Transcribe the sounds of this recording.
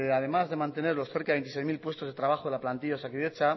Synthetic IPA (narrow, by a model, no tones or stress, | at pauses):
aðe̞mazðe̞mãnt̪e̞ne̞ɾlo̞sθe̞ɾkaent̪isejzmilpwe̞st̪oð̞e̞t̪ɾaβaxoðelaplant̪iʝaosakiðet͡ʃa